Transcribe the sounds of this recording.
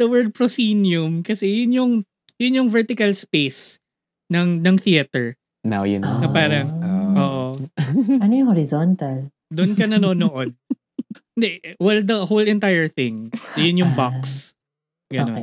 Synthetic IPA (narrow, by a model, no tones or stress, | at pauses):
d̪̥ɐwɛɹd̪̚pɹosinjʊmkɐsɛjʊnjʊŋ | jʊnjʊŋvɛɹt̪ɪkɐlspejs | nɐŋnɐŋθiɐt̪ɛɹ | na̰wjʊnnɐpaːɾɐŋʔoːʔo | ɐnojʊŋhoɾɪzont̪ɐl | d̪ʊnkɐnɐnonoʔod̪̚ | kɪnd̪ɛwɛld̪ɐhowlɛnt̪ajɛɹθɪ̃ŋjʊnjʊŋbaks | ɡɐnon